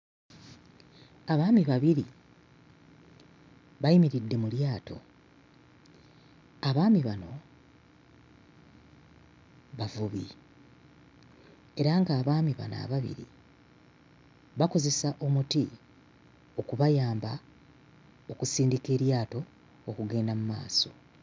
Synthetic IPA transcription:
aβaːmiβaβiɾi | βajimiɾidːe̞muljaːto̞̰ | aβaːmiβano̞̰ | βavuβi | e̞ɾaŋɡaːβaːmiβa̰na̰ːβaβḭɾḭ | βako̞ze̞saʔo̞muti | o̞kuβajaːmba | o̞kusiːndike̞ːɾjaːto̞ː | kuɡe̞ːndamuma̰ːso̞̰

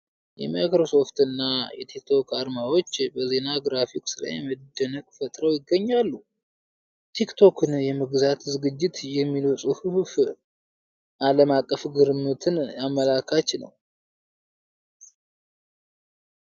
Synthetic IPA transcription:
jɛ̰majkɾo̞so̞ft̪ɨnːajɛ̰t̪ʰikt̪ʰo̞kaɾmawo̞t͡ʃːbəze̞naɡɾafiksɨla̰jɛməd̪ːənəkʼfət̪ʼɾəwjɪɡːəɲːalːu | t̪ʰikt̪ʰo̞kʰɨnjɛmɨɡzat̪zɨɡɨd͡ʒːɪt̪jɛmːilwusʼuhuhf | ʔaləmakʼːəfɡɨɾmːɨt̪ʰɨnamːəlakʰat͡ʃnə̰w

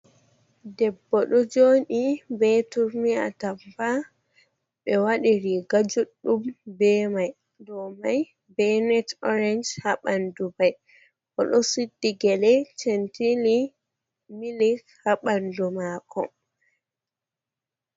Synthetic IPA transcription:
dɛbːɔɗɔd͡ʒoːnibɛtuɾmia̰tampa | ɓɛwaɗiɾiɡad͡ʒuɗːumbɛmaj | dɔmaj | bɛnɛtɔɾɛnd͡ʒhaɓandubaj | kɔɗɔsidːiɡɛlɛt͡ʃɛntili | milikhaɓandumaːkʰɔ̰

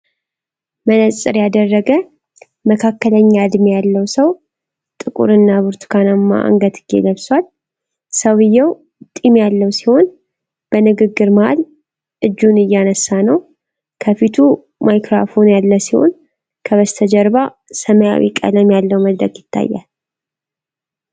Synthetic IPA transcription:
mənəsʼɨɾjad̪ərːəɡə | məkʰakːələɲːaɨd̪mejalːəwsəw | t̪ʼɨkʼṵɾɨnːaβɨɾt̪ʰu̥kʰanamːa̰ʔŋɡət̪ɨɡ̥ḛləβswal | səwɨjːɛw | t̪ʼimjalːəwsiho̞n | b̥ənɨɡɨɡːɨɾməha̰l | ɨd͡ʒːunɨjːanəsːanəw | kʰəfit̪ʰu | majkɾa̰fo̞njalːəsiho̞̰n | kʰəβəst̪ʰəd͡ʒəɾβa | səməja̰wḭkʼə̰ləmjalːəwməd̪ɾə̰ɡjɪt̪ʰːa̰jːa̰l

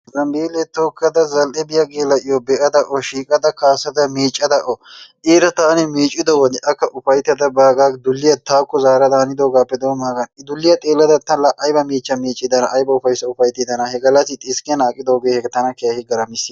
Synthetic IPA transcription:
zɐmbiːlɛt̪oːkːɐd̪ɐzɐlʔɛbɪjɐɡeːlːɐʔɪjɔbɛʔɐd̪ɐʔɔʃiːkʼɐd̪ɐkaːsɐd̪ɐmiːt͡ʃʼːɐd̪ɐʔɔʔeːɾɐt̪aːnɪmiːt͡ʃʼːɪd̪ɔwɔd̪ɪʔɐkːɐʔʊfɐjt̪ɐd̪ɐbaːɡaːkd̪ʊlːɪjɐt̪aːkːɔzaːɾɐd̪aːnɪd̪o̞ːɡaːpːɛd̪oːmaːɡɐnɪd̪ʊlːɪjɐt̪ʼeːlːɐd̪ɐt̪ːɐlɐʔɐjbɐmiːt͡ʃʼːɐmiːt͡ʃʼːɪd̪ɐnɐʔːjbɐʊfɐjsɐʊfɐjt̪ɪd̪ɐnɐhɛɡɐlːɐsɪt̪ʼɪskɛnaːkʼɪd̪oːɡeːhɛɡt̪ɐnɐkɛjɐhɪɡɐɾɐmɪsːɪ

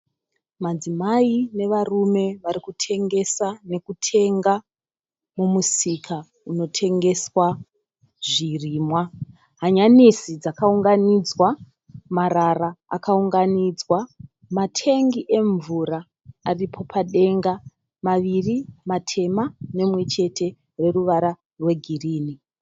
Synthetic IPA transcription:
mad͡zimaine̞ʋarume̞ʋaɾikutʰe̞ŋɡe̞sane̞kutʰe̞ŋɡa | mumusikʰa | uno̞tʰe̞ŋɡe̞swa | ʐiriːmwa | ɦaɲanisid͡zakauŋɡanid͡zwa | maɾaraa̰kauŋɡanid͡zwa | matʰe̞ŋɡiʔe̞ɱvuɾaː | ripʰo̞pʰaɗe̞ŋɡa | maʋirimatʰe̞mane̞mwe̞t͡ʃe̞tʰe̞ | re̞ruʋaɾa | rwe̞ɡʱiriːni

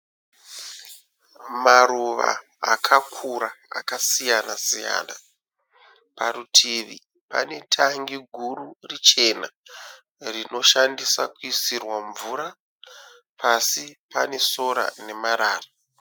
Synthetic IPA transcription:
maɾuʋa̰ː | kʰakʰuɾaa̰kasijanasija̰ːna | paɾutʰiʋḭ | pa̰ne̞tʰaŋɡiɡʱuɾurit͡ʃe̞na | rino̞ʃandisakuisirwaɱvuːɾa | pʰasipane̞so̞ɾa̰ne̞maɾaːra

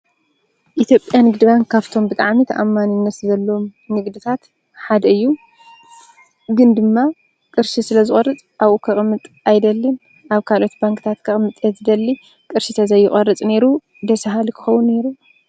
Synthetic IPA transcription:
ʔit̪ʰjo̞pʼjanɨɡd̪ɨbaŋkʰːaβt̪ʰo̞mbɨt̪ʼaʕmit̪ʰʔamːanɨnːɐt̪zɐlːɐmnɨɡd̪ɨt̪ʰat̪ | ħad̪ɐɨjːu | ɡɨnd̪ɨmːa | kʼɨɾʃisɨlɐzɨχʼɐrɨt͡sʼʔaβʔokʰɐχʼɨmːɨt̪ʼ | ajd̪ɐlːin | ʔaβkʰalʔo̞t̪baŋkʰʼɨt̪ʰat̪kʰɐχʼmɨt̪ʼɐzɨd̪ɐlːi | kʼɨɾʃit̪ʰɐzɐjːɪχʼɐrɨt͡sʼne̞ɾu | d̪ɐsɐɦalikʰɨ̥xɐwːunːe̞ɾu

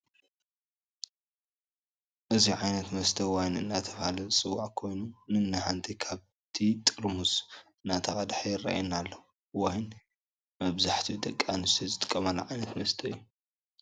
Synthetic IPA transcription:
ʔɨziʕajnɐt̪mɐst̪ʰɐwajnɨ̰nːat̪ʰɐβhalɐsʼɨwːaʕkʰo̞jnunɨnːɨhant̪ʰikʰaβ | t̪ʰit̪ʼɨɾmusɨnːat̪ʰɐxʼɐd̪ħɐjɪra̰ʔa̰jnalːɐu | wajn | mɐβzaħt̪ʰijud̪ʼɐkʼːanɨst̪ʰizɨt̪ʼɨkʼːɐmɐlːɐʕajnɐt̪mɐst̪ʰɐjːu

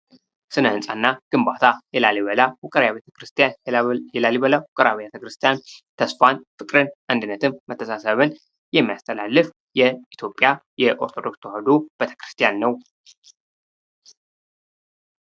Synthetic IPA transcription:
sɨnəhɨnsʼanːaɡ̥ɨmbat̪ʰajɛlaliβəlawʊkʼəɾjaβet̪ʰə̥kɾɨst̪ʰʼijanjɛlaliβəlawukʼəɾaβijat̪ʰəkɾɨst̪ʰijant̪ʰəsfanfɨkʼɾɨnʔand̪ɨnːət̪ʰɨmːət̪ʰːəsasəβɨn | jɛmːijast̪ʰəlalːɨf | jɛit̪ʰjo̞pʼjajɛʔoɾt̪ʰod̪o̞kst̪ohəd̪ob̥et̪ʰə̥kɨɾɨ̥st̪ʰʼijanːəw

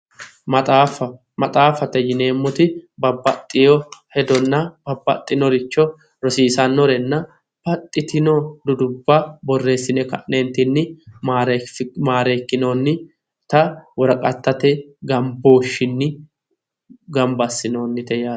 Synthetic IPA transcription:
mɐt̪ʼaːfɐ | mɐt̪ʼaːfɐt̪ɛjɪne̞ːmːɔt̪ɪbɐbːɐt̪ʼːɪjɔhɛd̪ɔnːɐb̥ɐbːɐ̰t̪ʼːɪnɔɾɪt͡ʃːɔ | ɾɔsiːsɐnːɔɾɛnːɐ | b̥ɐt̪ʼːɪt̪ɪnod̪ʊd̪ʊbːɐbɔrːe̞ːsːɪnɛkɐ̰ʔneːnt̪ɪnːɪmaɾmaːɾe̞ːkːɪno̞ːnːɪ | t̪ɐwɔɾɐkʼɐt̪ːɐt̪ɛɡɐmboːʃːɪnːɪ | ɡɐmbɐsːɪno̞ːnːɪt̪ɛjaː

